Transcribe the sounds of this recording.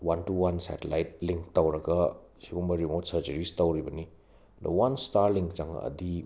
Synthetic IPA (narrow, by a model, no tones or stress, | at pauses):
wantuwansɛ̰telajt̚liŋk̚tawɾɐɡɐ | sibuŋbɐɾimotsɐɾt͡ʃɐɾistawɾibɐni | dɐ̰wanstaɾliŋkt͡ʃaŋɐ̰ɐ̰di